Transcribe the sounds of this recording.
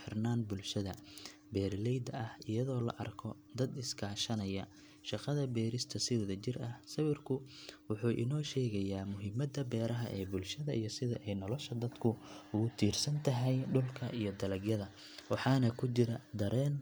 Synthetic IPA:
ħɪrnaːnbʊlʃɐðɐ | bɛːrlɛjd̪ɐɐhɪjɐðɔːlɐ̰ʔɐ̰rkʰɔ | d̪ɐd̪ɪskʰaːʃɐnɐjɐ | ʃɑqɑðɐbɛːɾɪst̪ʰɐsɪwðɐt͡ʃɪrɐhsɐwɪrkʰʊwʊħuːʔɪ̰nɔːʃɛːɣɐjaːmʊɦɪmɐd̪ɐbɛːɾɐɦɐʔɛːbʊlʃɐðɐʔijɞsɪðɐʔɛjnɔlɔʃɐd̪ɐd̪kʰʊʊɣʊt̪ʰiːrsɐnt̪ʰɐɦɛjɖʊlkʰɐʔijɔd̪ɐlɐɡjɐðɐ | wɑħɑːnɐkʰʊt͡ʃɪɾɐd̪ɐɾʔɛːn

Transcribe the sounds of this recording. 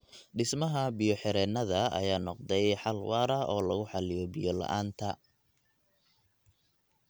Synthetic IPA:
ɖɪsmɐɦɐbijɔħɪɾɛːnɐðɐɐ̰jaːnɔqd̪ɛjħɑlwɑːɾɐʔɔːlɐɣʊħɑlɪjɔbɪjɔlɐ̰ʔaːnt̪ʰɐ

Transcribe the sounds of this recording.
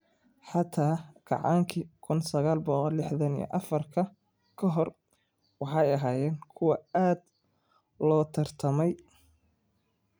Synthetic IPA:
ħɑt̪ʰaːɡ̥ɑ̰ʕɑ̰ːŋkʰikʰʊnsɐɣaːlbɔqɔlːɪħðɐnḭj̰ʔɐfɐrkʰɐ | kʰɐɦɔr | wɑħɑjɐɦaːjɛːŋkʰʊwɑaːd̪ | lɔːt̪ʰɐrt̪ʰɐmɛj

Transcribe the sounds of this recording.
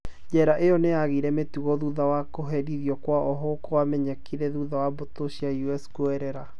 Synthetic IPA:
d͡ʑɛɾaʔejɔneaɣiɾɛmetuɣɔðuðawakoɦɛdiðiɔkwaʔɔɦɔkowamɛɲɛkiɾɛðuðawabotoɕiajuɛskoɛɾɛɾa

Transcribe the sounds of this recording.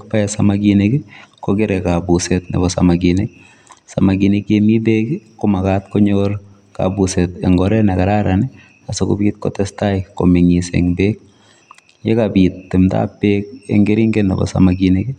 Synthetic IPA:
k̚paɛsamaɡinekikɔkɪɾɛkabusetnḛbɔsa̰maɡinek | samaɡinekemibekkomakatkɔɲoɾ | ka̰busɛtɛŋɡɔɾɛnakaɾaɾani | asokṵbiːt̚kɔ̰tɛstaiko̰miŋisḛŋbek̚ | jekabitːɪmta̰pːek̚ḛŋɡeɾiŋɡɛnɛ̰bɔ̰sa̰maɡineki

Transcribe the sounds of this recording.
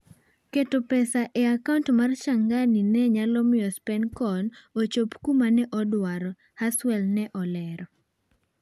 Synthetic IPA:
ketopɛsaʔeakauntmarʃaŋɡaninɛɲalɔmɪɔspɛnkɔnot͡ʃopkumanɛʔɔdwaɾɔ | haswɛlnɛʔɔlɛɾɔ

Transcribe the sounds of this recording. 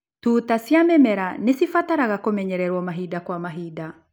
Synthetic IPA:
tuːtasjamɛmɛɾanesifataɾaɣakomɛɲɛɾɛɾwɔmaɦidakwamaɦida

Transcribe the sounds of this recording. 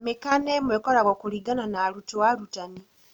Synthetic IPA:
mekanɛmwekɔɾaɣɔkuɾiɡananaɾutowaɾutani

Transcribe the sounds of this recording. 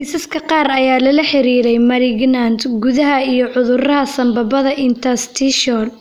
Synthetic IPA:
isɐskʰɐqɑːɾɐjaːlɐlɐħɪɾiːɾɛjmɐɾɪɡnand̪ɡuðɐɦɐijɔʕʊðʊɾɐɦɐsɐmbɐbɐðɐʔɪnt̪ʰɐst̪ʰiʃɔl

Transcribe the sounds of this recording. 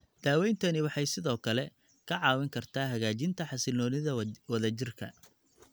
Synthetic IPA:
d̪̥aːwɛjnt̪ʰɐnɪwɑħɑjsɪðɔːkʰɐlɛ | kʰɐʕɑːwɪŋkʰɐrt̪ʰaːɦɐɣaːt͡ʃɪnt̪ʰɐħɑsɪlɔːnɪðɐwɐðɐt͡ʃɪrkʰɐ̰

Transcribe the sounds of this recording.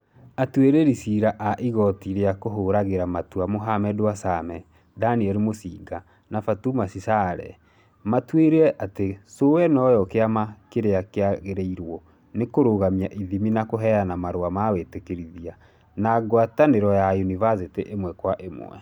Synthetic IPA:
atweɾeɾisiɾaʔaʔiɣɔtiɾeakoɦoɾaɣeɾamatuamoɦamɛdowasamɛ | daniɛɾemosiːɡa | nafatumasisaɾɛ̰ | matweɾeɛʔatesowɛnɔjɔkeamakeɾeakeaɣeɾeiɾwɔ | nekoɾoɣamiaʔiðiminakoɦɛanamaɾoamawetekeɾiðia | naɡwataneɾɔjajunivaseteʔemwɛkwaʔemwɛ̰

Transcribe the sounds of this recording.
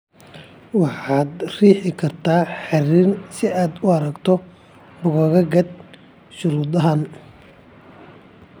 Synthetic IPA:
wɑħɑːd̪riːħɪkʰɐrt̪ʰaːħɑrɪnsɪaːd̪ʊɐɾɐɡt̪ʰɔ | bʊɣɐɣɐɡɐd̪̚ | ʃʊɾuːd̪ɐɦan

